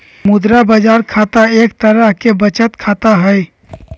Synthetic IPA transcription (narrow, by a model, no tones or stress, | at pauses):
mʊd̪ɾabəd͡ʒaːɾkʰaːt̪aeːk̚t̪əɾəɦkebət͡ʃət̪kʰaːt̪aɦɛj